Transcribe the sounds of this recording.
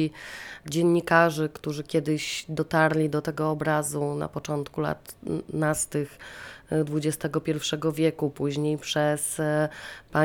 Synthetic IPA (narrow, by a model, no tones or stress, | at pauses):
id͡ʑɛɲːikaʐɘkt̪uʐɘkʲjɛd̪ɘɕd̪ɔt̪aɾlʲid̪ɔt̪ɛɡɔːbɾazuna̰pɔt͡ʂɔnt̪kula̰t̪nast̪ɘxd̪vud͡ʑɛst̪ɛɡɔpʲjɛɾfʂɛɡɔvʲjɛkupuʑɲejpʂɛs | pa